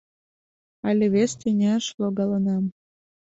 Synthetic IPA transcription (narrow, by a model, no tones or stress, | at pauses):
ɑlʲĕβʲest̪ʲenʲæʃloɡɑlɤnɑm